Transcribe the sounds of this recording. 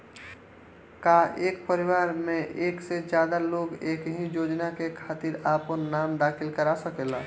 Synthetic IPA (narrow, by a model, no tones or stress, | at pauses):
kaʔeːk̚pəɾɪʋaːɾmẽʔeːksed͡ʒjaːd̪aloːɡeːkɦĩjoːd͡ʒnakekʰaːt̪iɾaːpənːaːmd̪aːkʰɪlkəɾasəkeːla